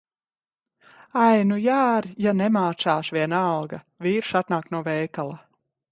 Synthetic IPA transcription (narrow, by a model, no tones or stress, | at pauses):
ajnujaːɾjanɛmaːt̪saːʃviɛnalˠɡa | viːɾʃat̪naːk̪̚nuɔvɛjkalˠa